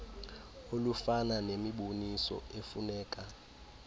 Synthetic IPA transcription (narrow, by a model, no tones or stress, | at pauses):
olufananemiɓonisɔ̰efunɛːkʼa